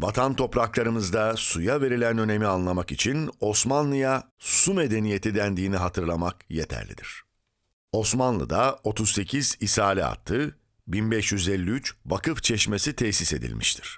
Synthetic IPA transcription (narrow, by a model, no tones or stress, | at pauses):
vat̪ʰant̪ʰo̞pɾaklˠaɾɯmɯzd̪asujave̞ɾilʲænø̞ne̞mianlˠamakit͡ʃʰino̞smanlˠɯja | sume̞d̪e̞nije̞t̪ʰid̪ænd̪iːniɦat̪ʰɯɾlˠamakjet̪ʰæ̰ɾlʲḭd̪ḭɾ̝̥ | o̞smanlˠɯ̰d̪ao̞t̪ʰuzse̞cʰiz̥isaːlʲia̰t̪ʰːɯ | binbɛʃjyzɛlʲːiyt͡ʃvakɯft͡ʃʰɛʃme̞sit̪ʰɛsise̞d̪ḭlʲmʔḭʃt̪ʰi̥ɾ̥